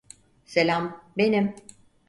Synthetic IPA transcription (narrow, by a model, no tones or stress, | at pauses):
selʲambenim